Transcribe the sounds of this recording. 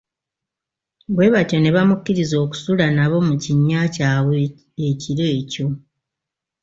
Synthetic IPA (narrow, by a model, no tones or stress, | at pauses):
bwe̞ːβatjo̞ne̞βamukːiɾizo̞ːku̥sulanaβo̞muciɲːaːcaːβe | eciɾe̞ːco̞